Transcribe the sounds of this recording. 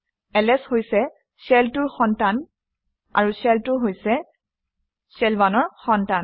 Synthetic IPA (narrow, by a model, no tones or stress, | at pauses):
ɛlɛshojsɛ | sɛltʊɹxɔntan | a̰ɹusɛltʊɦojsɛ | sɛlbanɔɹxɔntan